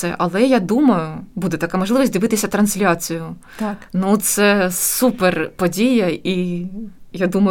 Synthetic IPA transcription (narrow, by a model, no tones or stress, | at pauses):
ɛʔɐlˠɛjad̪umɐjʊbud̪ɛt̪ɐkamɔʒlˠɪʋɐsʲd̪ɨʋɪt̪ɪsʲɐt̪ɾɐnsʲlʲat͡sʲijʊ | nut̪sɛsuperpɔdʲijɐi | jad̪umɐ